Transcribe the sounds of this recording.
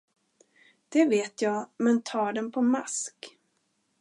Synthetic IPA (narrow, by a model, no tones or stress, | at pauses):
d̪̥ɛveːt̪ʰjɑːɡmɛnt̪ʰɑːɖɛnpʰɔmask